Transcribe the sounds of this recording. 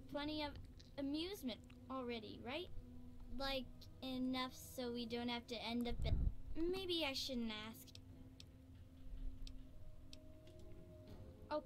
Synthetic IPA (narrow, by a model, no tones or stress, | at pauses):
fʰʌɾ̃iʌv | ɨmjʉzmɨ̃nt | l̩ˠɹɛɾḭɹaɪt̚laɪk | ɪnʌfsoʊwidõʊ̃nt̚hæftɨɛ̃ndʌp̚b̥ɨt̚meɪbiaɪʃʊdⁿn̩tæsk̚ | ʔoʊ